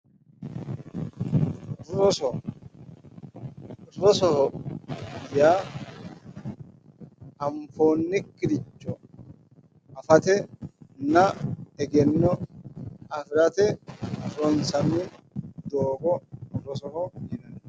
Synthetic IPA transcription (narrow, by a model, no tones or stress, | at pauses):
ɾɾɔsɔ | rɾɔsɔhɔ | jaː | ɐmfo̞ːnːɪkːɪɾɪt͡ʃːɔ | ɐfɐt̪ɛnɐɛɡɛnːɔ | ɐfɪɾɐt̪ɛɐfɔnsɐnːɪ | d̪oːɡɔɾɔsɔhɔjɪnɐn